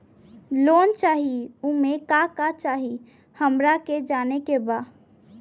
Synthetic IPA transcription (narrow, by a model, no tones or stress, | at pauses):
loːnt͡ʃaːɦiʊmẽkaːkat͡ʃaːɦi | həmɾaked͡ʒaːnekebaː